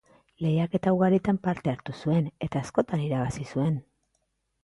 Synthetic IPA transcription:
le̞jake̞t̪awɣ̞aɾit̪ampaɾt̪e̞aɾt̪usue̞ne̞t̪aːsko̞t̪aniɾaβasisue̞n

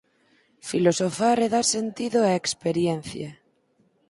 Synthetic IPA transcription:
filosofareðaɾsent̪iðoaekspeɾjen̟θja

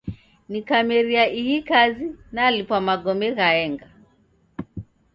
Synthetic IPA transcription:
nikamɛɾiaʔihikazinalipwamaɡɔmɛɣaɛŋɡa

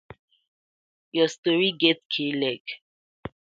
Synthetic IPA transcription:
jɔstɔɹiɡɛtkʰelɛɡ

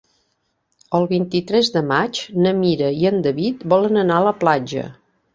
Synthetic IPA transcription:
əlˠβint̪it̪ɾɛzd̪əmat͡ʃnəmiɾəiənd̪əβit̪bɔlənənaələplad͡ʒə̰

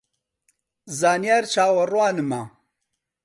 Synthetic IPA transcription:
zaːnijaːɾt͡ʃʰaːwɐrwaːnɨma

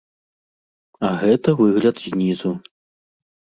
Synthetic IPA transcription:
ɐɣɛt̪ɐvɨɣlʲɐd̪zʲnʲizu

